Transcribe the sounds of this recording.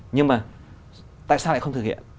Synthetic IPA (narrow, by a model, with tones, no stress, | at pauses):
ɲɨ˧ŋmaː˨˩ | t̪a̰ː˧˨jsaː˧wla̰˧˨xə˧ŋ͡mt̪ʰɨ˨˩khḭ˧˨ən